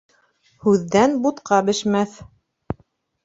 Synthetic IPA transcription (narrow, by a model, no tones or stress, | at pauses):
hʉðːænbut̪qɑbɘ̆ʃmæθ